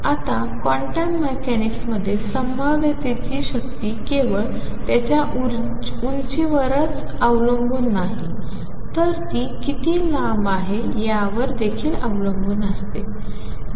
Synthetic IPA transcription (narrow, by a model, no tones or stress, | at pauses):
at̪a | kɔ̃ɳʈãɳʈmekæniksməd̪ʱːjesəmbəʋet̪et͡ɕiːɕəkt̪iːkeʋəɭ | t̪jat͡ɕjaʔu | unt͡ɕiːʋəɾət͡s | əʋləmbuːnːaɦi | t̪əɾt̪iːkit̪iːlamaɦejaʋəɾd̪ekʰiːlaʋləmbuːnəst̪e